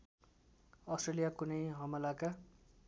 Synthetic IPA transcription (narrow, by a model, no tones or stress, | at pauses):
ʌstʈrelijakunʌjɦʌmʌlaka